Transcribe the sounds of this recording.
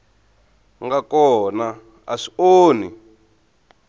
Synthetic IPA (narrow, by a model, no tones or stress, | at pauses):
ŋɡakɔna | a̰ʂi̥oːni